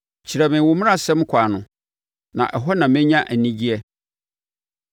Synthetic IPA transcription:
t͡ɕʰi˨ɾɛ˨mɪ̃˨wʊ˦mɪ̃˦a˦sɛ̃˦m˦kʷʰa˨nʊ̃˨ | nã̰˨ʔɛ˨ɦɔ˦nã˨mɪ̃˦ɲã˦ʔæ˨nĩ˦d͡ʑi˦ɛ˦

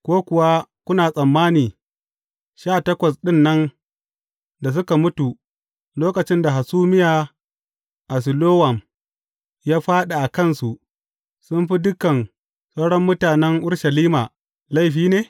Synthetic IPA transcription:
kʷoː˦kʷʊ˨wa˦kʷʊ˦naː˨sʼɐ˨mːaː˦niː˨ | ʃaː˦˨tɐ˦kʷɐ˨sɗɪ˦˨nːɐ˦n | da˨s̬ʊ˦ka˨mʊ˦tu˨ | loː˦kɐ˨t͡ʃɪ˦nda˨ɦa˨suː˦mɪ˦jaː˨ | ʔa˨s̬ɪ˨loː˦wɐ˨m | jaː˦ɸaː˦ɗa˨ʔa˨kɐ˦˨nsu˨ʔ | sʊ˦mɸi˦dʊ˦kɐ˨n | sa˦wɽɔ˦mːʊ˦taː˨nɛ˦ŋʔʊ˦ɽʃa˨liː˦maː˨ | la˦jɸiː˦neː˦

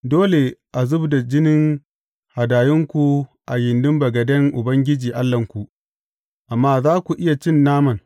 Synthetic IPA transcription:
doː˦le˨ʔa˨zʊ˦bda˨d͡ʒɪ˦nɪ˦ŋ | ha˨daː˨jɪ˦ŋkʷu˨ʔa˨jɪ˨ndʊ˦mbɐ˨ɡɐ˨dɛ˦ŋʔʊ˨bɐ˦ŋɡʲɪ˦d͡ʒiː˨ʔa˦lːɐ˨ŋkʷu˨ʔ | ʔa˨mːaː˦zaː˦kʷu˨ʔɪ˦ja˨t͡ʃɪ˦nːaː˦mɐ˨n

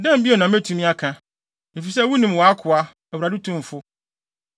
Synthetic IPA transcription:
dɛ̃˦m˦bi˦e˨nã˨˦me˦tʰũ˦mĩ˦a˦kʰã˦ | e˨fi˨sɛ˦wu˦nĩ˨m˨wɔ˨a˦kʰʊ˨a˦ | ɛ˨wu˨ɾa˨dɪ˦tʰũ˦m˨fʊ˦

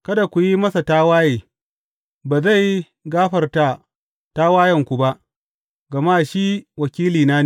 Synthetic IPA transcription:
kɐ˦da˨kʷu˨ji˦mɐ˦sa˨taː˦waː˦jeː˨ | baː˨za˦˨j | ɡaː˦ɸɐ˨rta˨ | taː˦waː˦jɐ˨ŋkʷu˨ba˦ʔ | ɡɐ˨maː˦˨ʃiː˦wɐ˨kʲiː˦liː˨naː˦n˨

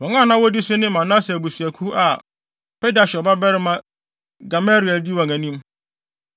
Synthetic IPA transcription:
wɔ̃˨ŋã˦˨nã˦wɔ˦di˦sʊ˦nɪ̃˦mã˨nã˦sɛ˨bu˨sɥæ˨kʰu˦a˨ | pe˦da˨ɕɛ˨ɔ˨ba˦bɛ˦ɾɪ˦mã˦ | ɡa˨ma˦ɾi˨ɛ˨ldi˦wã˨ŋæ̃˨nĩ˦m

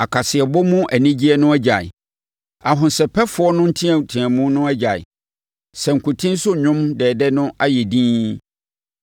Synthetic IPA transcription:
a˨kʰa˨sɪ˨ɛ˨bɔ˦mũ˦ʔæ˨nĩ˦d͡ʑi˦ɛ˦nʊ̃˦æ˦d͡ʑa̰˨ | a˨ɦʊ̃˨nsɛ˨pʰɛ˦fʊ˨˦ɔ˦nʊ̃˦n̩˦tʰĩ˦ɛ˨tʰĩ˨æ̃˨mũ˦nʊ̃˦æ˦d͡ʑa˨ɪ̰˨ | sɛ˨ŋ̩˨kʰu˨tʰĩ˦n˦sʊ˦ɲᶣʊ̃˦mdɛː˨dɛ˦nʊ̃˦a˦jɛ˨dĩː˦

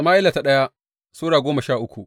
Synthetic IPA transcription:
maː˦ʔɪ˦la˨ta˨ɗɐ˦ja˦ | suː˦ɽaː˨ɡʷoː˦mɐ˨ʃaː˦˨ʔʊ˦kʷu˨ʔ

